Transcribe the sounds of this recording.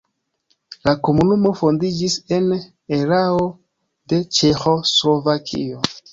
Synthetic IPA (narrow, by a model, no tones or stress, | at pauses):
lako̞munumo̞fo̞ndid͡ʒise̞n | e̞ɾao̞ | de̞t͡ʃe̞xo̞slo̞vakʰḭo̞